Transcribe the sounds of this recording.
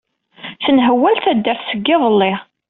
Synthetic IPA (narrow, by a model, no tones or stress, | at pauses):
θənɦəwːælθæd̪ːæɾθsəɡːɪðˤəlːe